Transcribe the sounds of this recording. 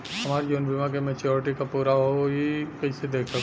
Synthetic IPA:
ɦɐmaːɾid͡ʒoːnbʱɪmak̬emẽt͡ʃoɾɪʈikapuːɾaɦoojikɐɦsed̪eːkʰsɐk

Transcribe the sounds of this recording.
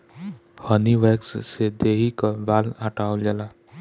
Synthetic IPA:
həniʋeːkssed̪eːɦikəbaːləʈaːold͡ʒəlaː

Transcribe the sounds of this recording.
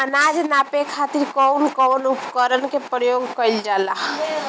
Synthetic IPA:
ənad͡ʒnapekʰat̪iɾkɔwnkɔwnupkəɾənkepɾjoɡkəild͡ʒala

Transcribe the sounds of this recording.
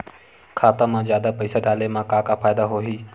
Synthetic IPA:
kʰaːt̪amãzjaːd̪apəɪsaɖaːlemãkãːkafʰaːjd̪aɦoːɦiː

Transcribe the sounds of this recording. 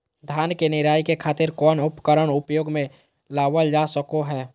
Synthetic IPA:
d̪ʱjaːnkenɪɾaːjkekʰaːt̪ɪɾkɔːnʊpkəɾəɽʊpjoːɡmẽ | laːwəld͡ʒaːsəkoɦɛː

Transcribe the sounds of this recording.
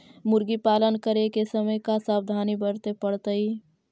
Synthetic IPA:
mʊɾɡipaːlənkəɾekesəməjkasaːbd̪ʱaːnibəɾt̪epəɽt̪əi

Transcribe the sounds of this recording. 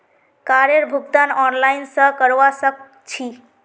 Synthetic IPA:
kaɾeɾbʱuɡt̪anɔnlajnsə̃kəɾʋasək̚ | t͡ʃʰi

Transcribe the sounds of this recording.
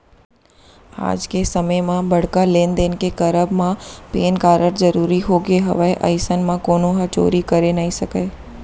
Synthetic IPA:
a̰ːd͡ʒkesɐməjmãbɐɽ̤kaleːnd̪eːnkekɐɾəbmãpeːnkaːɾəɾzɐɾuːɾiɦoːɡeɦɐ̰ʋaeʔɐ̰ɪsənmãkoːnõɦɐt͡ʃo̰ːɾikɐɾenaisɐkəː

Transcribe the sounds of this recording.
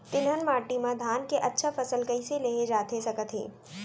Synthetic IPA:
t̪ɪlɦənmaːʈimãd̪ʱaːnkeʔɐtːʃʰafɐsəlkɐiseleːɦed͡ʒaːt̪esɐkət̪ɦḛː

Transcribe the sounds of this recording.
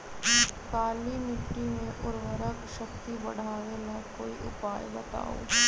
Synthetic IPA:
kaːlimɪʈːimẽʔʊɾʋəɾəkʃɐk̚t̪ibɐ̰ɽ̤ʱaːʋenɐkoːiʔʊ̰paːjbɐt̪a̰ːo̰ː

